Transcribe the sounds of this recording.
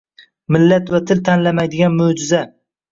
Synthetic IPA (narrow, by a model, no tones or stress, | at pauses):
mɪlːat̪vat̪ʰɪlt̪ʰanlamajd̪ɪɡʲanmɵd͡ʒɪza